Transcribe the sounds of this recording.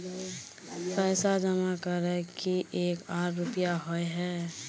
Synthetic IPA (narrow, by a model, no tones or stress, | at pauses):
pɛːsad͡ʒəmakəɾɛkiʔeːkaːɾːʊpijaɦoeɦɛː